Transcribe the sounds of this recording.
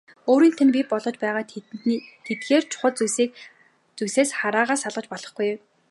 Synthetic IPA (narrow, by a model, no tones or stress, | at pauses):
oːɾiːnt̪ʰæ̆npʲipɔɮɞ̆t͡ɕpæːʁaː | t̪ʰet̪ɡeːrt͡ɕʰʊ̥χə̆ɮt͡ssiːk̚ | t͡sujseːsχaɾaːʁaːsaɮʁə̆t͡ɕpɔɮɞ̆χɡ̥uj